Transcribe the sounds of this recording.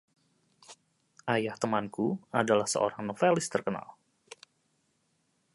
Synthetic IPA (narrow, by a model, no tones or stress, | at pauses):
ʔajaht̪əmankuadalahsə̰o̰ɾaŋnofɛlɪst̪ərkəna̰l